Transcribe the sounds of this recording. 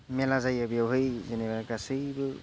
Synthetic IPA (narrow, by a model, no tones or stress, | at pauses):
melazajabijawɦɯjzenebaɾɡasɯjbɯ